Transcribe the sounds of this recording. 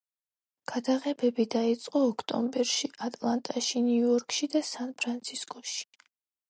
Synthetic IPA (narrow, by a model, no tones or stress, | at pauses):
ɡ̥ad̪aʁɛbɛbid̪ait̪sʼqʼɔːkʰt̪ʼɔ̰mbɛɾʃiʔat̪ʼlˠant̪ʼaʃiniuɔɾkʼʃid̪asanpʰɾant̪sʰiskʼɔʃi̥